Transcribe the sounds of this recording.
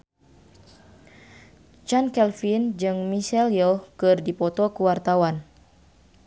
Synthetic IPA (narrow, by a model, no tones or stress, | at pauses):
t͡ʃankɛlfind͡ʒɨŋmisɛljokɨrdipɔt̪ɔkuwart̪awan